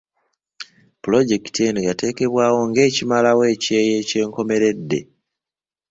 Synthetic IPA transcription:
pulo̞ɟeki̥teniɡate̞ːke̞βwaːwo̞ŋɡe̞ːcimalawe̞ːce̞ːje̞ːce̞ːŋko̞me̞ɾe̞dːe̞̰

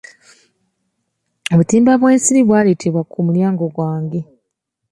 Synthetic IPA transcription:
oβutiːmbaβwe̞ːnsiɾiβwaːle̞ːtʰeβwakumuljaːŋɡo̞ɡwaːŋɡe

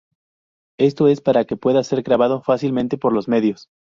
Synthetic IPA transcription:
e̞st̪o̞e̞spaɾake̞pwe̞ðase̞ɾɣɾaβaðo̞fasilmẽ̞nt̪e̞po̞ɾlo̞zme̞ðjo̞s

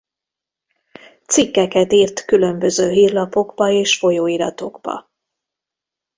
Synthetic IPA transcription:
t̪sikːɛkɛt̪iːrt̪kylø̞mbø̞zøːɦiːrlɒpo̞ɡbɒeːʃfo̞joːiɾɒ̰t̪o̞ɡb̥ɒ̰

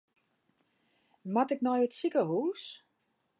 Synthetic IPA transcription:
matɪknɔjətsikəhuːs

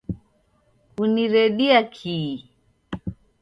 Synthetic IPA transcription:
kuniɾɛɗiakʰi

